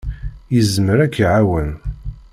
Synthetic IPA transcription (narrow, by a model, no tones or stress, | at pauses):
jəzməɾækːiʕawən